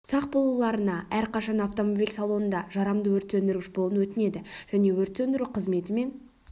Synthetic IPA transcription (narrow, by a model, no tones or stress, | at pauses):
sɑq̚bolˠulˠɑɾənɑʔæɾqɑʃɑnɑft̪o̞mo̞bijlʲsɑlˠo̞nənd̪ɑʒɑɾɑmd̪əwɵɾt̪sɵnd̪ɪɾɡʲɪʃbolˠənwɵt̪ɪne̞d̪ɪʒ̥æne̞wɵɾt̪send̪ɪɾuqʰəzme̞t̪ɪme̞n